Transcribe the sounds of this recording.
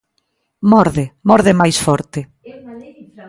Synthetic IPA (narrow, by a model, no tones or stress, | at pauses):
mɔɾðemɔɾðɪmajsfɔɾt̪ɪ